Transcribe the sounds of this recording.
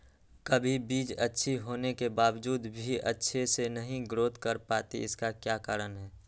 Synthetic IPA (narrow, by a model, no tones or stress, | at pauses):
kəbʱibiːd͡ʒətːʃʰiɦoːnekebaːʋd͡ʒuːd̪bʱiʔə̰tːʃʰesenəɦĩɡɾoːt̪kəɾpaːt̪ḭɪskakjaːkaːɾənɦɛː